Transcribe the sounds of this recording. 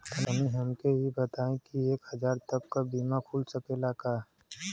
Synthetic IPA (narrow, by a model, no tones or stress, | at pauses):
ənəmĩɦəmkeɦibət̪aːẽkieːkhəd͡ʒaːɾt̪əbkabiːmapʰuːlsəkelaːka